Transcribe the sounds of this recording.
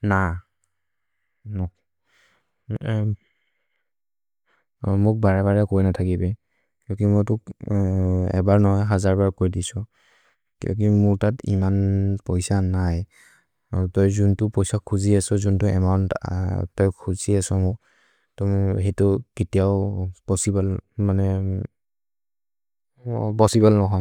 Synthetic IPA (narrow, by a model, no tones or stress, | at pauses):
na | nɔ | mʊk̚baɹɛbaɹɛkojnatʰakibɛ | kiɔkimɔjtʊk | ɛ̰baɹnɔɦɔjɦazaɹbaɹkojdisɔ | kijɔ̰k̬imʊɹtatḭmanpɔjsanaj | tɔjzuntʊpɔjsakʰuziasɔzuntʊɛ̰mɔntɔjkʰuziasɔmʊ | tumɦetʊketiaʊpɔsibalmanɛ | bɔsibɛlnɔɦɔj